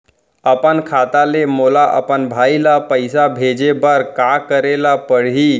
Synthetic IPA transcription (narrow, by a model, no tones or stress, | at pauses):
əpənkʰat̪alemolaʔə̰pənbʱailapəɪsabʱed͡ʒebəɾkakəɾelapəɽ̤ɦi